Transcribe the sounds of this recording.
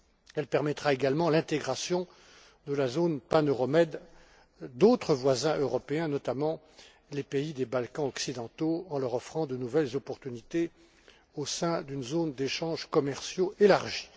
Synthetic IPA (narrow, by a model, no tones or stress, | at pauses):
ɛlpɛʁmɛt̪χaeɡalmɑ̃lɛ̃t̪eɡʁasjɔ̃ | d̪əlazonpanøʁɔmɛd̪ː | ot̪χəvwazɛ̃ʔøʁɔpeɛ̃nɔt̪amɑ̃ | lepeid̪ebalkɑ̃ɔksid̪ɑ̃t̪oɑ̃lœʁɔfχɑ̃d̪ənuvɛlzɔpɔʁt̪ynit̪e | osɛ̃d̪ynzond̪eʃɑ̃ʒkɔmɛʁsjoʔelaʁʒi̥